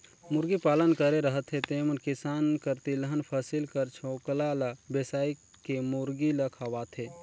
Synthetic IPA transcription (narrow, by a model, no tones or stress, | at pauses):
muɾɡipaːlənkəɾeɾəɦət̪ʰɦet̪emənkisaːnkəɾt̪iləɦənpʰəsilkəɾt͡ʃʰoklaləbesaːi | kemuɾɡiləkʰaʋat̪ʰe